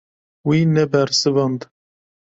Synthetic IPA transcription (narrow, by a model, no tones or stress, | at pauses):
winɛbɛɾsɨvɑnd̪